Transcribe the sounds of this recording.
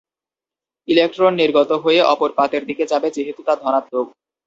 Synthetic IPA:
ilek̚ʈɾonːiɾɡot̪oɦojeʔɔpoɾpat̪eɾd̪iked͡ʑabet͡ɕeɦit̪ut̪ad̪ʱɔñat̪loɡ

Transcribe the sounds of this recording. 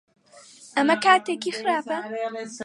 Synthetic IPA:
ɐmɐkaːt̪eːkixɨɾaːpɐ

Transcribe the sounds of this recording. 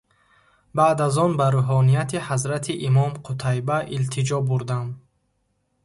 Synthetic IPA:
baːd̪azɔnbaɾuɦɔnijat̪ʰihazɾat̪ʰiʔimɔmqʰut̪ʰajbaʔilt̪ʰid͡ʒɔbuɾd̪am

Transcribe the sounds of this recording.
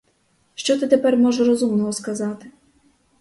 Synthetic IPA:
ʃt͡ʃɔt̪ɪt̪epɛrmɔʒɐɾɔzumnɔɦɔskɐzɑt̪ɪ

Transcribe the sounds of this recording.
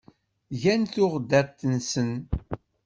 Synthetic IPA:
ʝænθʊʁd̪æt̪ːənsən

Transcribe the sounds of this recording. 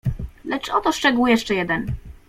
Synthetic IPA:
lɛt͡ʂɔt̪ɔʂt͡ʂɛɡujɛʂt͡ʂɛjɛd̪ɛn

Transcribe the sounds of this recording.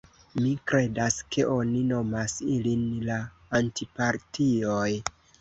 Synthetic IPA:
mikɾe̞daske̞ʔo̞nino̞masilinlaː | ntipaɾtio̞j

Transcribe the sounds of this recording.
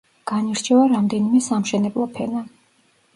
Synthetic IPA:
ɡ̥aniɾt͡ʃʰɛvaɾamd̪ɛnimɛsamʃɛnɛblˠɔpʰɛna

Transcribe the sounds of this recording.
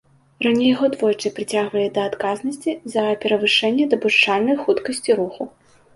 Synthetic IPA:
ranʲejɣɔd̪vɔjt͡ʂɨpɾɨt͡sʲaɣvɐlʲid̪ɐːt̪kaznɐsʲt͡sʲizɐpʲɛɾɐvɨʂɛnʲːɛd̪ɐbuʂt͡ʂalʲnɐjxut̪kɐsʲt͡sʲiɾuxu

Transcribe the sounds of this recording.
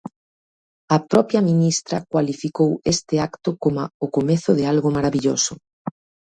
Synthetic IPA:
ɐpɾɔpjɐminist̪ɾɐkwalifikowest̪ɪakt̪ʊkomaʊkomeθʊðɪalɣomaɾaβiʎo̰sʊ

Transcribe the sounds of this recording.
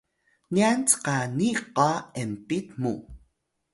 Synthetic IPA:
niant͡sqaniʔqaempit̪muʔ

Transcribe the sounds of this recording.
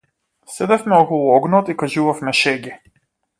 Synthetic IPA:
sɛd̪ɛfmɛɔkɔlˠuɔɡnɔt̪ikaʒuvafmɛʃɛɡɛ

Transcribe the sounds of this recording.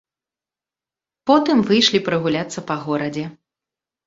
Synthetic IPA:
pɔt̪ɨmvɨjʂlʲipɾɨɣulʲat̪sːɐpɐɣɔɾɐd͡zʲɛ

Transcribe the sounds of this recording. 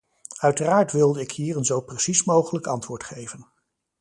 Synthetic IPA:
œɥtəraːɹtʋɪlˠdəɪkɦiːrənzowprəsismowχələkɑntʋʊːɹtχejvən

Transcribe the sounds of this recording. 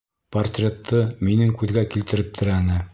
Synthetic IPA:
pɐrt̪rʲe̞t̪ʰːɤminɘŋkʉðɡækilt̪ɘ̆ɾɘp̚t̪ʰɘ̆ɾænɘ

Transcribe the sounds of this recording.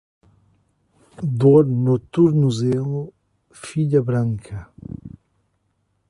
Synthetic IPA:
d̪oɾnot̪uɾnuzeŋo | fid͡ʑabɾaŋkʰa

